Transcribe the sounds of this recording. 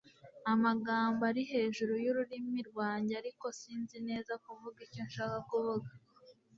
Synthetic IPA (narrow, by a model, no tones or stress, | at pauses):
amaɡaːmbaɾiɦe̞ːʒuɾujuɾuɾimiɾɡwaːɲɟaɾiko̞siːnzine̞ːzakuvuɡiconʃaːkakuvuɡa